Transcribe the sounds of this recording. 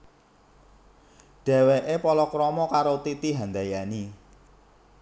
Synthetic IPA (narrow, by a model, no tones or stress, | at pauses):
ɖ̥ɛ̤weʔepɔlɔkɾɔmɔkaɾot̪it̪iɦand̪ajani